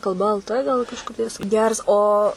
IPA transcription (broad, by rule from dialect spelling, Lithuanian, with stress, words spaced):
kɐlˠˈbɐ ɛlˠ ˈtɘ ˈɡɐlˠ kɐʃˈkɐɪp jɪs ˈɡʲɛrs ˈoː